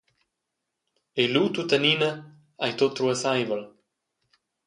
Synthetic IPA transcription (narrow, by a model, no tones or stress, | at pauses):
elut̪ut̪aninə | ajt̪ot̪ːɾuəsajvəl